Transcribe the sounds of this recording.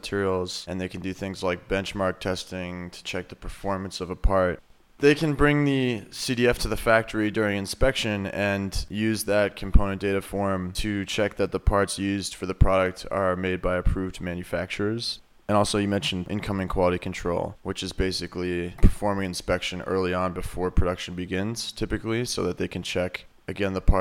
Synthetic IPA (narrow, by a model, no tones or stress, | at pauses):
tʰɪɹil̩ˠzɨ̃nðeɪkʰn̩dɨθɪ̃ŋzlaɪk̚b̥ɛ̃nt͡ʃmɑɹk̚tʰɛstɪ̃ŋtʰə̥t͡ʃʰɛk̚ðəpʰə˞fɔɹmɨ̃nsʌvəpʰɑɹt̚ | ðeɪkʰɨ̃nbɹɪ̃ŋðɨsiɾiɛftʰɨðəfæk̚tə˞idʊɹɪ̃ŋɨ̃nspɛkʃɨ̃nɨ̃njʉzðɨt̚kʰm̩pʰõʊñɨ̃nd̥eɪɾɨfɔɹmtʰɨt͡ʃʰɛk̚ðɨt̪̚ðəpʰɑɹtsjʉzd̥fə˞ðɨpʰɹ̥ɑɾɨk̚tə̰˞meɪd̚baɪɨpʰɹ̥ʉvdmæ̃njɨfæk̚t͡ʃə˞z̥ | ɨ̃ñɔlˠsoʊjɨmɛ̃nʃn̩ʔɪ̰̃nkʰʌ̃mɪ̃ŋkʰw̥ɑlˠəɾikʰn̩tʰɹ̥o̰ʊlˠwɨt͡ʃɨzbeɪsɨklipʰə̥˞fɔɹmɪ̃ŋɨ̃nspɛkʃɨ̃nɜ̰˞lˠiə̃nbɨfɔɹpʰɹ̥ɨdʌkʃn̩bɨɡɪ̃nz̥tʰɪpɨklisoʊðɨt̪̚ðeɪkʰɨ̃n̩t͡ʃʰɛk | ɨɡɛ̃nðəpʰɑ